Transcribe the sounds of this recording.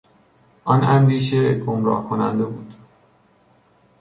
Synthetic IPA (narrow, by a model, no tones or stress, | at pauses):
ʔɒnæmviːʃ̬eɡomɾɒ̰ːhkʰonæ̰nd̪e̞buːd̪̥